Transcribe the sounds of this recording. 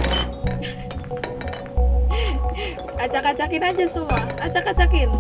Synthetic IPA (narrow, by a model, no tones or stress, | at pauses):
at͡ʃakat͡ʃakɪnad͡ʒasuaat͡ʃakat͡ʃakɪn